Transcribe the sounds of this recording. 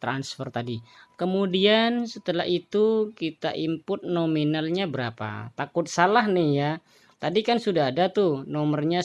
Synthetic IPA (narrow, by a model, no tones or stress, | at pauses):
t̪ɾansfərt̪adikəmudiansət̪əla̰ɦit̪ukit̪a̰ʔimpʊt̪̚nominalɲabəɾapa̰t̪akʊt̪̚salahnɪhja | t̪adikansudaɦːdat̪ʊhnɔmərɲa